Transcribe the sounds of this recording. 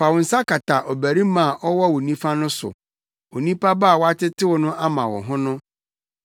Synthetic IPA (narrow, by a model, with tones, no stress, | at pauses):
fa˨wʊ̃˨n̩˨sa˦ka˨tʰa˨ʔɔ˨bæ˨ɾi˦mã˨ʔɔ˦wɔ˦wo˨nĩ˦fa˦nʊ̃˦sʊ̰˨ | o˨nĩ˦pa˦ba˦˨wɔ˦a˦tɪ˦tʰɪ˦wʊ˨nʊ̃˦ʔa˦mã˨wɔ̰˨ɦʊ̃˦nʊ̃˦